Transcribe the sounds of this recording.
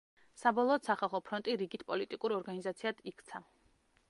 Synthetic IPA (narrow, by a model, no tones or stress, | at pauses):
sabɔlˠɔːt̪saχalˠχɔpʰɾɔnt̪ʼiɾiɡit̪ʰpʼɔlit̪ʼikʼuɾɔɾɡanizat̪sʰiad̪̥ikʰt̪sʰa